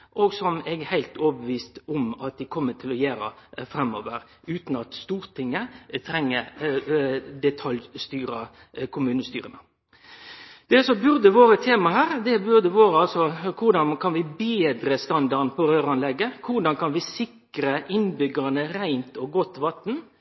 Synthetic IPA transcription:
ʔoːɡsɔmɛɡhæɪlt̪oːbəʋiːst̪ʊmɑt̪̚d̪ɪkʰɔmːət̪ʰɪlɔjøːɾə̰fɾɛmːo̰ːʋəɾ | ʉːt̪nɑt̪st̪uːɾt̪ʰɪŋːət̪ʰɾɛŋːə | d̪ɛt̪ʰɑljst̪yːɾə | kʰʊmʉːnəst̪y̰ːɾənə | d̪̥ɛsɔbʉɾd̪əʋoːɾət̪ʰeːmɑhæːɾd̪ɛbʉɾd̪əʋoːɾəɑlsɔkʰʊɾɖ̪ɑnkʰɑnʋɪbeːd̪ɾəst̪ɑnd̪ɑɾnpʰɔɾøːɾɑnlɛɡːəkʰʊʁɖɑnkʰɑnʋɪsɪk | ɾəʔɪnbʏɡənəɾæɪnt̪ɔɡɔt̪ːʋɑt̪n

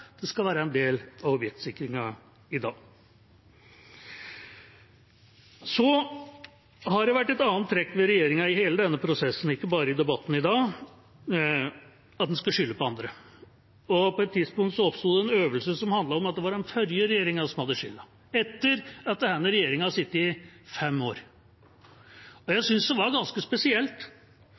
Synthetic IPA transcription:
d̪̥ɛskɑlʋæːɾəɛnd̪eːlɑʋɔpjɛkt̪sɪkːɾɪŋɑ | ɪd̪ɑːɡ | sɔ | hɑɖɛʋæʈːɛt̪ɑːnt̪ʰːɾɛkːʋɛɾɛjeːɾɪŋɑɪheːləd̪ɛnːəpʰɾʊsɛsːn̩ɪkːəbɑːɾəɪd̪ɛbɑt̪ːn̩ɪd̪ɑː | ɑt̪̚d̪ɛnskɑʂʏlːəpɔɑnd̪ɾə | ɔpɔɛt̪ʰːɪd̪spʊŋkt̪sɔɔpst̪uːd̪ɛɛnøːʋəlsəsɔmhɑnd̪lɑɾɔmɑt̪d̪ɛʋɑɾɛnfœɾjəɾɛjeːɾɪŋɑsɔmhɑd̪ːəʃʂʏlːɑ | ɛt̪ːəɾɑt̪̚d̪ɛhɛnːəɾɛjeːɾɪŋɑɑsɪt̪ːɪfɛmːoːɾ | ɔjæɪsʏnsd̪ɛʋɑɾɡɑnskəspɛsɪɛlt̪

